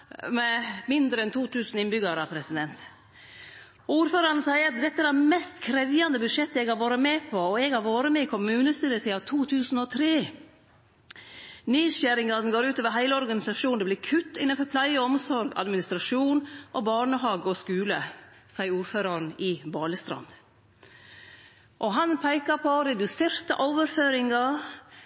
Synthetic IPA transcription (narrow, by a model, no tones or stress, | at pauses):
mɛmɪnd̪ɾəɛnt̪ʰuːt̪ʰʉːsn̩ɪnbʏɡɑɾəɑpʰɾɛsɪd̪ɛnt̪ | uːɾføːɾɑɾn̩sæɪəɾɑt̪̚d̪ɛt̪ːəæɾæmɛst̪kʰɾɛʋjɑnd̪əbʉd̪ʂɛt̪ːəɛɡhɑɾʋoːɾəmɛːpʰɔɔɛɡhɑɾʋoːɾəmɛɪkʰʊmʉːnəst̪yːɾəsiːɑʋt̪ʰuːt̪ʰʉːsn̩ɔt̪ʰɾeː | nyːʃæːɾɪŋɑnɡoːɾʉːt̪oːʋəɾɦæɪləɔɾɡɑnɪsɑʂuːn̩d̪ɛblɪɾkʰʉt̪ːɪ̰nənfɔɾpʰlæɪəɔmsɔɾɡɑ̰d̪mɪnɪst̪ɾɑʂuːnʔɔbɑːɳəɦɑːɡɔskʉːlə | sɑɪəuːɾføːɾɑɾn̩ɪbɑːləst̪ɾɑ̰nd̪ | ʔɔɦɑnpʰæɪkɑpʰɔd̪ɛd̪ʉsɪɾt̪ɑ̰ʔoːʋəɾføːɾɪŋɑ